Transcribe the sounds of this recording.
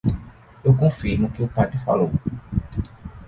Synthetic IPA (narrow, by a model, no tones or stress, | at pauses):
ewkõfiɾmʊkɪʊpat̪ɾɪfa̰low